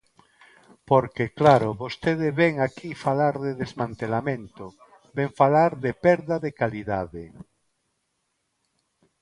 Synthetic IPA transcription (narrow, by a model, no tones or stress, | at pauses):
poɾkeklaɾoβost̪eðeβeŋakʰifalaɾðeðezmãnt̪elamẽnt̪o | beɱfalaɾðepɛɾðaðekaliðaðe